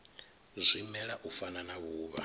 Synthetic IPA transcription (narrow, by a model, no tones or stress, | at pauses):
zʷimɛɺaʔufananaβuːβa̰